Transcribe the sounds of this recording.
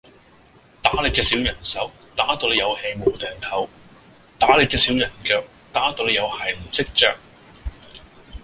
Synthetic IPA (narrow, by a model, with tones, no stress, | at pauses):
t̪aː˨˥le˨˧t͡sɛː˧si˨˥wjɐ˨˩nsɐ˨˥w | t̪aː˨˥t̪o˧le˨˧jɐ˨˧whe˧jmo˨wt̪ɛː˨ŋt̪ʰɐ˨˥w | t̪aː˨˥leː˧t͡sɛː˧siː˨˥wjɐ˨˩nkœː˧k̚ | t̪aː˨˥t̪o˧le˨˧jɐ˨˧whɐ˨˩m̩˨˩sɪ˥k̚t͡ʃœː˧k̚